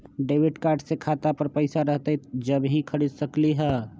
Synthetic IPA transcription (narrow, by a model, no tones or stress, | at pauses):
ɖeːwɪʈkaːɾɖsekʰaːt̪apəɾpəɪsaɾəɦt̪ed͡ʒəbɦĩkʰəɽid̪səkliɦɛː